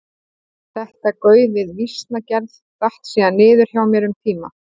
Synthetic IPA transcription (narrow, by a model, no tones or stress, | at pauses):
θɛht̪akœːɥðɪðvist̪nacɛlðt̪aht̪siːðanːɪːðʏɾ̥çjawmjɛɾʏmt̪ʰiːma̰